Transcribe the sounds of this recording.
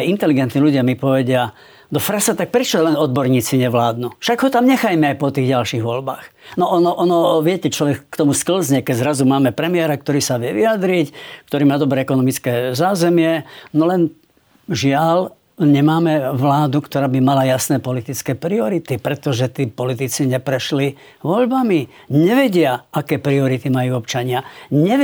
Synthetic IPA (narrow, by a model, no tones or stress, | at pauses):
jint̪ɛliɡɛnt̪niːluɟɪamipɔʋɛɟɪa | d̪ɔfɾasat̪ak̚pɾɛt͡ʃɔlɛnɔd̪̚bɔɾɲiːt͡siɲɛʋlaːd̪nufʃaɡɦɔt̪amɲɛxajmɛajpɔt̪iːɣɟalʃiːɣʋɔlba̰ːxnɔʔɔnɔʔɔnɔʋɪɛcɛt͡ʃlɔʋɛkːt̪ɔmuskl̩zɲɛkɛɟzɾazumaːmɛpɾɛmɪɛɾak̚t̪ɔɾiːsaʋɪɛʋijad̪ɾickt̪ɔɾiːmaːd̪ɔbɾɛːɛkɔnɔmit͡skɛːzaːzɛmɪɛnɔlɛn | ʒɪal | ɲɛmaːmɛʋlaːd̪ukt̪ɔɾaːbimalajasnɛːpɔlit̪it͡skɛːpɾiɔɾit̪ipɾɛt̪ɔʒɛt̪iːpɔlit̪it͡siɲɛpɾɛʃli | ʋɔʎbami | ɲɛʋɛɟɪaakɛːpɾiɔɾit̪imajuɔpt͡ʃaɲɪaɲɛ